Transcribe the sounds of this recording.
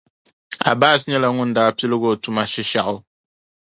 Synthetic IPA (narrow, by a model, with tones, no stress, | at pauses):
a̰˨baː˦s̬ɲɛ˦la˨ŋʊ˦n̩˦daː˨˦˨pi˦lɨ˦ɣo˦˨tu˨ma˨ʃi˦ʃa˦˨ʔʊ˦